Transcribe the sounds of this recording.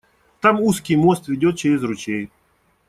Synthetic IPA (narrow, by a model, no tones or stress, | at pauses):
t̪amuskʲɪjmost̪vʲɪdʲot̪̚t͡ɕeɾʲɪzrʊt͡ɕej